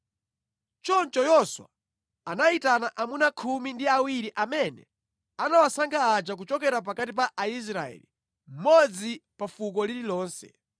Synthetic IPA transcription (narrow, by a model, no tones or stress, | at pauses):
t͡ʃɔnt͡ʃɔjɔswa̰ | anaitanaʔamunakʰumindiawiɾiʔamɛnɛ̰ | anawasaŋɡʰaːd͡ʒak̬ut͡ʃɔkɛɾap̬akatip̬aʔais̬ɾaɛ̰li | m̩mɔd͡zipafuk̬ɔlililɔːnsɛ̰